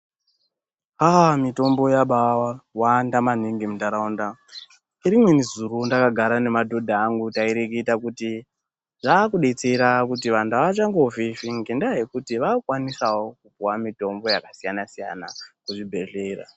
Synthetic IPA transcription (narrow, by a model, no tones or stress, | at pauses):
amito̞mbo̞jaɓawawaːndaman̤iŋɡimutaɾaunda | iɾimwe̞nizuɾundakaɡʱaɾane̞madʱo̞dʱaːŋɡutaiɾekiitakuti | ʐaːkuɗet͡seɾakutiʋandaʋaat͡ʃaŋɡeofifiŋɡendaɦekutiʋakwanisawokupuwamito̞mbo̞jakasijanasija̰na̰kuʐibʱe̞ɮe̞ːra̰